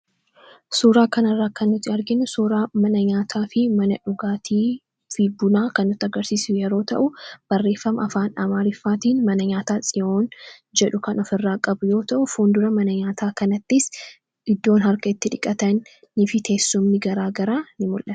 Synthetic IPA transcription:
suːɾaːkɐnɐrːaːkɐnːʊt̪ːɪɐɾɡɪnʊsuːɾaːmɐnɐɲaːt̪ʰaːfɪmɐnɐᶑʊɡaːt̪ʰiː | fɪbʊnaːkɐnːʊt̪ːɪɐɡɐɾsiːsɪjɛɾo̞ːt̪ɐ̰ʔʊb̥ɐrːe̞ːfːɐmɐɐfaːnᶑaːmaːɾɪfːaːt̪iːnmɐnɐɲaːt̪aːsʼɪo̞ːnd͡ʒɛᶑʊkɐnɔfɪrːaːkʼɐbʊjo̞ːt̪ɐʔʊfuːnd̪ʊɾɐmɐnɐɲaːt̪ʰaːkɐnɐt̪ːɪs | ʔɪd̪ːo̞ːnhɐɾkɐɪt̪ːɪᶑɪkʼːɐt̪ɐnː | ɪfɪt̪ʰe̞ːsːʊmnɪɡɐɾaːɡɐɾaːnɪmʊlʔɐt̪

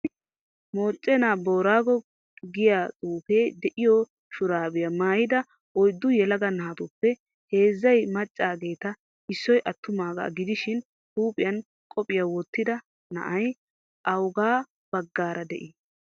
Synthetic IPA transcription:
mo̞ːt͡ʃʼːɛnaːbo̞ːɾaːɡɔ | ɡɪjat̪ʼuːfeːd̪ɛʔɪjɔ | ʃʊɾaːbɪjɐmaːjɪd̪ɐ | ɔjd̪ːʊjɛlɐɡɐnaːt̪ʊpːɛ | he̞ːzːɐjmɐt͡ʃʼːaːɡe̞ːt̪ɐ | ɪsːɔjʔɐt̪ːʊmaːɡɐ̰ɡɪd̪ɪʃɪn | tuːpʼɪjɐn | kʼɔpʼɪjawɔt̪ːɪd̪ɐ | nɐ̰ʔɐj | ʔɐwɡaː | b̥ɐɡːaːɾʔɐd̪ɛ̰ʔɪ

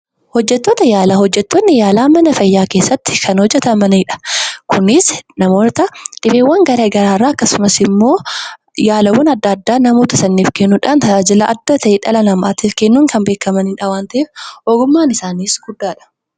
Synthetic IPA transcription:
hɔd͡ʒːɛt̪ːo̞ːt̪ɐjaːlɐɦɔd͡ʒːɛt̪ːonːɪjaːlaːmɐnɐfɐjːaːke̞ːsːɐt̪ːɪ̥kʰɐnhɔd͡ʒːɛt̪ɐmɐneːᶑɐ̥kʰʊnɪsnɐmoːt̪ɐᶑɪbeːwːɐŋɡɐɾɐɡɐɾaːrːaːɐkːɐsʊmɐsɪmːo̞ː | jaːlɐwɐnɐd̪ːɐːd̪ːaːnɐmo̞ːt̪ɐsɐnːeːfkenːuːᶑaːnt̪ɐaːd͡ʒɪlɐʔɐd̪ːɐt̪ɐʔeᶑɐlɐnɐma̰ːt̪ɪfkenːuːŋkɐnbeːkːɐmɐnɪnᶑɐwaːnt̪ɐʔeːfʔɔɡʊmːaːnɪsaːniːsɡ̥ʊd̪ːaːᶑɐ̥

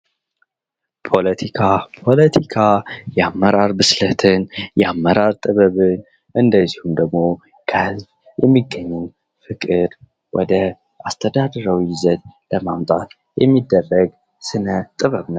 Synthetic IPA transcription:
pʰo̞lət̪ʰikʰapʰo̞lət̪ʰikʰajɛamːəɾaɾbɨslət̪ʰɨnjɛamːəɾaɾt̪ʼɨβəβɨn | ʔɨnd̪əzːihumd̪əɡmo̞ | kʰəhɨzb | jɛmːiɡːəɲːɛn | fɨkʼɨd̪ | wʔɔ̰d̪ə | ʔast̪ʰəd̪ad̪əɾəwijɪzət̪ləmamt̪ʼat̪ | jɛmːid̪ːərːəɡ | sɨnət̪ʼɨβəβnə

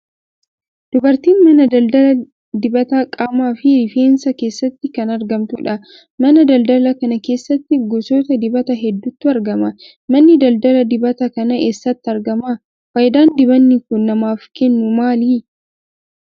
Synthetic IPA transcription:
d̪̥ʊbɐɾt̪iːnmɐnɐd̪ɐld̪ɐlɐ | d̪ɪbɐt̪aːkʼaːmaːfɪɾɪfe̞ːnsɐke̞ːsːɐt̪ːɪkɐnɐɾɡɐmt̪uᶑɐ | mɐnɐd̪ɐld̪ɐlɐkɐnɐke̞ːsːɐt̪ːɪɡɔsoːt̪ɐd̪ɪbɐt̪ɐɦɛd̪ːʊt̪ːʊɐɾɡɐmɐ | mɐnːɪd̪ɐld̪ɐlɐd̪ɪbɐt̪ɐkɐnɐʔesːɐt̪ːɐɾɡɐmɐ | fɐjd̪aːnd̪ɪbɐnːɪkʊnːɐmaːfkɛnːʊmaːliː

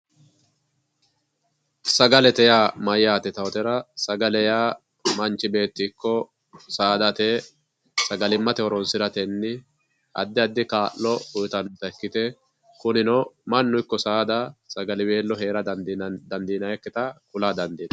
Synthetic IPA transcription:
sɐɡɐlɛt̪ɛjaːmɐjːaːt̪ɛt̪ɐwɔt̪ɛɾɐsɐɡɐlɛjaː | mɐnt͡ʃːɪbe̞ːt̪ːɪːkːɔ | saːd̪ɐt̪ɛ | sɐɡɐlɪmːɐt̪ɛɔɾɔnsɪɾɐt̪ɛnːɪ | ɐ̰d̪ːɪɐd̪ːɪkaːʔlɔʊjt̪ɐnt̪ːɐɛkːɪt̪ɛ | kʊnɪnɔmɐnːʊɪkːɔsaːd̪ɐsɐɡɐlɪwe̞ːlːɔɦe̞ːɾɐd̪ɐnd̪iːnɐjɛkːɛt̪ɐkʊlaːd̪ɐnd̪iːd̪̥ɐ̥

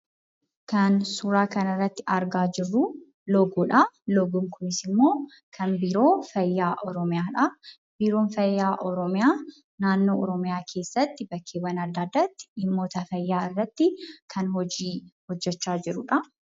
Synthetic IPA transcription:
kɐnsuːɾaːkɐnɐɪrːɐt̪ːɪɐɾɡaːd͡ʒɪrːu | lɔɡuːᶑɐlɔɡʊmkʰʊnɪsɪmːo̞ː | kʰɐnbiːɾo̞ːfɐjːaːʔɔɾɔmɪjaːᶑɐ | biːɾo̞ːnfɐjːaːʔɔɾɔmɪjaː | naːnːo̞ːʔɔɾɔmɪjaːkʰe̞ːsːɐt̪ːɪbɐkʰːeːwɐnɐd̪ːaːd̪ːɐt̪ːɪ̥ɪmːo̞ːt̪ɐfɐjːaːɪrːɐt̪ːɪkʰɐnɦɔd͡ʒiːhɔd͡ʒːɛt͡ʃːaːd͡ʒɪɾʊᶑɐ

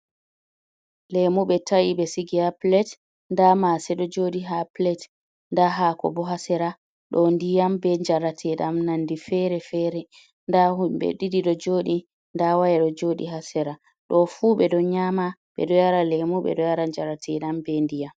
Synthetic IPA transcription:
lɛmuɓɛtʰajibɛsiɡiaplɛt | ndamasɛɗɔd͡ʒoɗiɦaplɛt | ndaɦakɔ̰bɔɦasɛɾa | ɗɔndijambɛɲd͡ʒaɾatʰɛɗamnandifɛɾɛfɛɾɛ | ndahuɓɛ̰ɗidiɗɔd͡ʒoːɗi | ndawajɛɗɔd͡ʒoɗḭɦasɛɾa | ɗɔfuɓɛɗɔɲamaɓɛ̰ɗɔjaɾalɛmuɓɛ̰ɗɔjaɾaɲd͡ʒaɾatʰɛɗambɛndijam

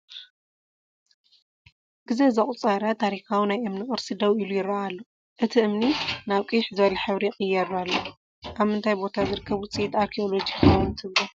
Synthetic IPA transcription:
ɡ̥ɨzezɐχʼut͡sʼɐɾat̪ʰːaɾixawinajʔɨmnikʼɨɾsid̪ɐwʔilujɪɾːɐalːo | ʔɨt̪ʰiɨmninaβkʼɨjħzɨβɐlɐħɨβɾiqʼɨjːɐɾalːo | ʔaβmɨnt̪ʰajbo̞t̪ʰazɨɾɨkʰːɐβut͡sʼet̪aɾkʰio̞lod͡ʒikʰawnt̪ʰɨlɐ

